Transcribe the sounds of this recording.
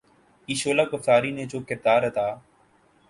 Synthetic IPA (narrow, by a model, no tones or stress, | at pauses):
iːʃoːlaːkʊft̪aːɾiːneːd͡ʒoːkɪɾd̪aːɾɦət̪aː